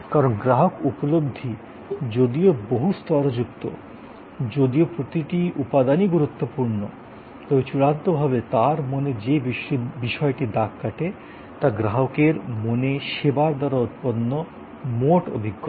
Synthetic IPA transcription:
kaɾonɡɾaɦokupolob̚d̪ʱi | d͡ʑod̪ioboɦust̪ɔɾod͡ʑuk̚t̪o̰ | d͡ʑod̪iopɾot̪iʈiʔupad̪aniɡuɾut̪ːopuɾno | t̪ɔbet͡ɕuɽant̪obʱaβet̪aɾmoned͡ʑebbiʃɔeʈid̪akːaʈe | t̪aɡɾaɦokeɾmoneʃebaɾd̪aɾaot̪̚ponːo | moʈo̰bʱiɡːo

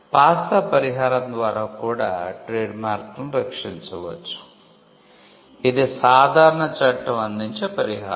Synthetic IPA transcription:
paːsɐpɐɾiɦaːɾɐnd̪ʋaːɾakuːɽa̰ːʈɾeːɖmaːɾkɐmɾɐkʂiɲt͡ʃɐʋɐ̰t͡ʃːu̥ | id̪isaːd̪ʱaːɾɐɳɐt͡ʃɐʈːɐmɐnd̪iɲt͡ʃɐpɐɾiɦa̰ː

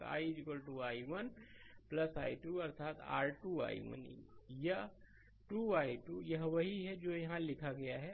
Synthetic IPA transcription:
a̰ːid͡ʒikəlʈuaːiʋənplɐsaːiʈuɐɾt̪ʰaːt̪a̰ːɾʈua̰ːḭʋə̰nja | ʈuːaːiʈuːjɐɦʋɐɦiɦɛd͡ʒoːjɐɦãlɪkʰaɡɐjaɦɛ

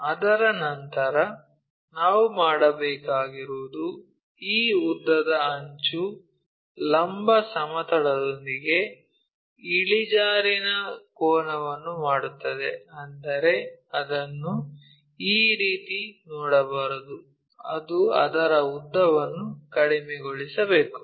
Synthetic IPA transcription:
ɐd̪ɐɾɐnɐnt̪ɐɾɐ | naːʋumaːɽɐbɛːkaːɡiɾuːd̪u | iːud̪ːɐd̪ɐɐɲt͡ʃu | lɐmbʱɐsɐmɐt̪ɐɽɐd̪o̞nd̪iɡe̞ | iɭid͡ʒaːɾinɐkɔːnɐʋɐnːumaːɽut̪ːɐd̪eɐnd̪ɐɾe̞ɐd̪ɐnːu | iːɾiːt̪inɔːɽɐbaːɾɐd̪u | ɐd̪uɐ̰d̪ɐɾɐud̪ːɐʋɐnːukɐɽimɛɡoɭisɐbeːku̥

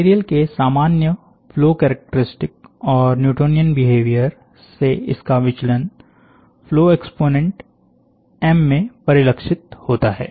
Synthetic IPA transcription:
eːɾijəlkesaːmaːnjə | fʰloːkɛːɾək̚ʈəɾɪsʈɪk̚ɔːɾnjuːʈoːnijənbɪɦeːʋijəɾ | seɪ̰skaʋɪt͡ʃlən | floːekspoːnẽɳʈ | ɛmːẽpɐɾɪləkʃɪt̪̚hoːt̪aɦɛ̰ː

